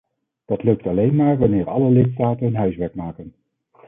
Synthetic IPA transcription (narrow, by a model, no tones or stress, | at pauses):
d̥ɑtlɵk̚tɑlejnmaːɹʋɑnɪːɹɑləlɪtstaːtənɦənɦœɥsʋɛɹkmaːkən